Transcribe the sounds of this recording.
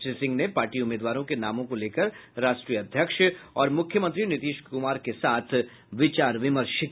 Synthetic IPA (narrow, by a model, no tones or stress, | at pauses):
sisɪ̃ŋɡnepaːɾʈiʊmeːd̪ʋaːɾõkenaːmõkoleːkəɾɾaːʃʈɾiːəɐd̪ʱjəkʃɔːɾmʊkʰjəmə̃nt̪ɾinɪt̪iːʃkʊmaːɾkesaːt̪ʰ | ʋɪt͡ʃaːɾʋɪməɾʃɪk